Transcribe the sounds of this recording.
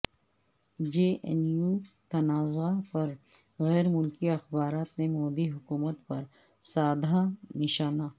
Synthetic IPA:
d͡ʒeːʔɛ̰njuːt̪ɐnaːzapɐɾ | ɣɛːɾmʊlkiɐxbaːɾaːt̪nemɔːd̪iɦʊkuːmət̪pɐɾ | saːd̪ʱanɪʃaːnaː

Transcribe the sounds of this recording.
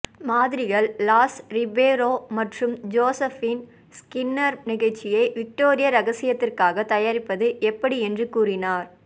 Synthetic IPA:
maːðɪɾɪɣɐɭːaːsɾɪbeːɾoːmɐʈrɯmd͡ʒoːsɐfɪn | skɪnːɐɾnɪɣɐɭt͡ʃːɪjɐɪʋɪk̚ʈoːɾɪjɐɾɐɣɐsɪjɐt̪ːɪrkaːɣɐt̪ɐjaːɾɪpːɐðɯʔɛpːɐɽiɛndrɯkuːrɪnaːɾ

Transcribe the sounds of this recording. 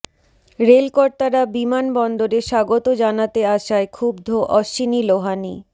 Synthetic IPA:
ɾelkɔɾt̪aɾabimanbɔnd̪oɾeʃaɡot̪od͡ʑanat̪eaʃaekʰubd̪ʱoʔɔʃiniloɦani

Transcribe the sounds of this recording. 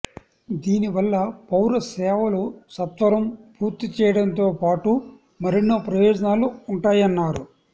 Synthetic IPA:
d̪iːniʋɐlːɐpɐwɾɐsɛːʋɐlo̞ːsɐt̪ʋɐɾɐmpuːɾt̪it͡ʃɛːjɐɽɐnt̪o̞ːpaːʈu | mɐɾinːoːpɾɐjɔːd͡ʒɐnaːluːɳʈaːjɐnːaːɾu

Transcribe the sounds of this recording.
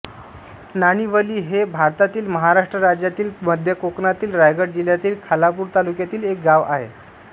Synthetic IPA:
naɽ̃iʋəliːɦebʱaɾt̪at̪iːlməɦaɾaʂʈɾəɾad͡ʑjat̪iːlməd̪ʱjəkoknat̪iːlɾajɡəɽd͡ʑiljat̪iːlkʰalapuːɾt̪alukjat̪iːlek̚ɡaʋa̰ɦḛ

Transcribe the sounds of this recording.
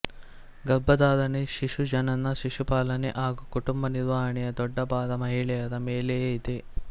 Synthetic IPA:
ɡɐbːɐd̪aːd̪ɐneʃiʂud͡ʒɐnɐnːɐʃiʂupaːlɐneʔaːɡukuʈumbɐniɾʋaːɾɐɳɛjɐd̪ɔɖːɐbaːd̪ɐmɐɦiɭɛjɐd̪ɐmeːleid̪e

